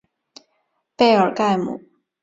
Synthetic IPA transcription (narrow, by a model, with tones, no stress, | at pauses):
pe˥˩ɪə˞˨˩ka˥˩ɪmṵ˨˩